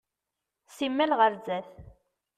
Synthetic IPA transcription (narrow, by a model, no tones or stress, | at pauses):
simːælʁəɾzæθ